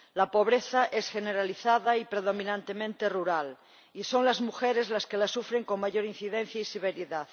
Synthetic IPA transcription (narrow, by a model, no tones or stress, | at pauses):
lapo̞β̞ɾeθaʔesxeneɾaliθaðaipɾeð̞omĩnãnt̪emẽnt̪eruɾal | iso̞ŋlazmuxeɾezlaskelasufɾeŋko̞ŋmaʝo̞ɾin̟θiðen̟θjaiseβ̞eɾiðað